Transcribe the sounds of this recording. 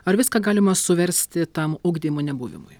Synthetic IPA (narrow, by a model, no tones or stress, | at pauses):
ɐɾʋʲɪskɐɡɑːlʲɪmɐsʊʋʲɛɾʲsʲt̪ʲɪt̪ɐmʊɡd̪ʲiːmʊnʲɛbuːʋʲɪ̰mʊ̰j